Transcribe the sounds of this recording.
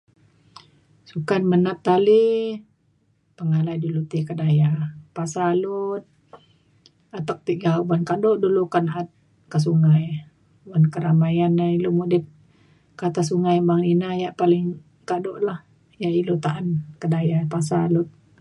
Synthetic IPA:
sukanmənat̪ːali | pəŋalajdulut̪ikədajapasalut̪̚ | at̪ak̚t̪iʔɡabankadɔʔdulukanat̪̚ | kəs̬uŋaj | bankəɾamajanailomudɪt̪̚ | kat̪as̬uŋajbaŋninajaʔpalɪŋ | kadoʔlah | jaʔilut̪aʔankədajapas̬alʊt̪̚

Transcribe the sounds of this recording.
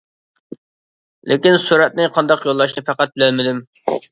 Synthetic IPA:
lʔɪkʲinsuɾɛt̪̚nɪqʰɑnd̪ɑqjolˠːɑʃ̬nɨpæqæt̪̚bɪlɛlmɪd̪ym

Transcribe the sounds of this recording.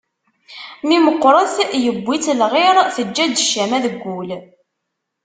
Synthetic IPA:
miməqːɾˤəθjəbʷːit͡slʁɪɾθəd͡ʒːæd̪əʃæmæðəɡːul

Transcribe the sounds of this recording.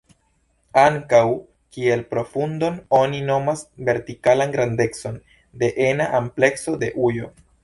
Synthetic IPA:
aŋkaw | kielpɾo̞fundo̞no̞nino̞masve̞ɾtikalanɡɾande̞t͡so̞n | de̞ʔenaʔample̞ksode̞ʔujo̞

